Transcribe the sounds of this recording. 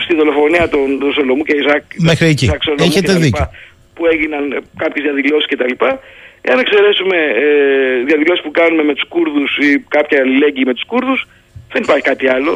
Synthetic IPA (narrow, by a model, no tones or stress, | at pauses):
st̪iðo̞lo̞fo̞niɐt̪ont̪oso̞lo̞muceizɐkmexɾiecisɐkso̞lemçueteeɐððicpɐ | pue̞ʝinɐnkɐpçezðjɐðilo̞si̥scet̪ɐlipɐḛɐnekse̞ɾe̞sume̞ | ðjɐðilo̞si̥spukɐnume̞me̞t̪u̥skuɾðusikɐpçɐːlile̞ɟiːme̞t̪u̥skuɾðus | ðe̞nipɐɾçi̥kɐt̪iɐlo̞̰